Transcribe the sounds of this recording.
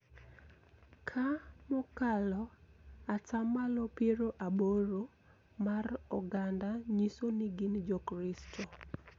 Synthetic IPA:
kʰamɔkalɔatamalɔpeɾoʔaboɾo | marɔɡandaɲisonɪɡɪnd͡ʒɔkɾɪstʰɔ

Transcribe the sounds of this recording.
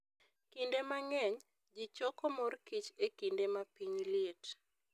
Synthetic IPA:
kindemaŋɛɲ | d͡ʒit͡ʃɔkɔmɔrkit͡ʃekindemapiɲljɪet

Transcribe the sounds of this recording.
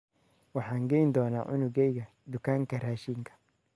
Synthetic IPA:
wɑħɑːŋɡɛjnd̪ɔːna̰ːʕʊnʊɣɛjɣɐ | d̪ʊkʰaːŋkʰɐraːʃiŋkʰɐ̥

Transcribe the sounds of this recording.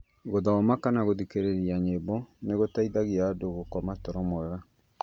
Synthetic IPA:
ɣoðaomakanaɣoðikeɾeɾiaɲebɔneɣotaiðaɣiaːdoɣokɔmatɔɾɔmɔɛɣa

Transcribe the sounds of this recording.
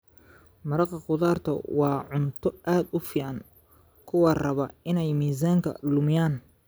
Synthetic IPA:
mɐɾɑqɑqʊðaːrt̪ʰɐ̰wɑːʕʊnt̪ʰɔʔaːd̪ʊfiːʕɑŋ | kʰʊwɑrɐβɐɪnɛjmiːs̬aːŋkʰɐ̰lʊmɪjaːn

